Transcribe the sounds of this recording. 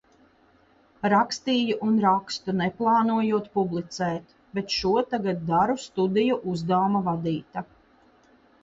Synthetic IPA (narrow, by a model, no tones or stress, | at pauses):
ɾakst̪iːjuʔunɾakst̪unɛplˠɑːnuɔjuɔt̪publˠit̪sɛːt̪ | bɛt̪ʃuɔt̪aɡad̪̚d̪aɾust̪ud̪ijuʔuzd̪aːmavad̪iːt̪a